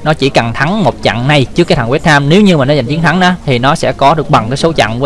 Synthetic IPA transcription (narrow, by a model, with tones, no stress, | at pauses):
nɔ˨˦t͡ɕi˧˩ka˨˩ŋt̪ʰa˨˦ŋmo˨˩t̚t͡ɕa̰˧˨ŋna˨˧jt͡ɕɨ˦˥kːaː˨˦t̪ʰa˧˩ŋwt̪̚ʰaː˧mne˨˦wɲɨ˧maː˨˩nɔ˨˦za˨˩jŋt͡ɕi˨˦əŋt̪ʰa˨˦ŋʔaː˨˦t̪ʰi˨˩nɔ˨˦sɛ̰˧˥kɔ˨˦ɗɨ˨˩ək̚ɓa˨˩ŋkaː˨˦jso˨˦wt͡ɕa̰˧˨ŋː˨˦